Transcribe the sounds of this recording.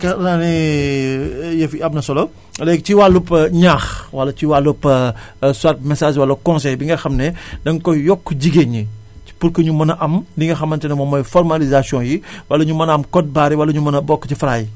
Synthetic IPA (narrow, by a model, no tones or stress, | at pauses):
kɐlani | jɐfiɐb̚nɐsɔlɔ | lɛkciwalupɐɲaːxwɐlːɐciwalːupːɐ | swaːt̚mɛsaːʒwɐlːɐkɔ̃nsɛjbiŋɡɐxɐmnɛdɐŋkɔjɔkːɟiɡeɲi̥ | puɾkɔɲumɐnɐʔɐmdiŋɡɐxɐmːɐntɛnɐmɔːmɔjfɔrmalizasijɔ̃jiwɐlːɐɲumɐnɐmkɔt̚baːɾiwɐlɐɲumɐnɐbɔkːcifɾaːj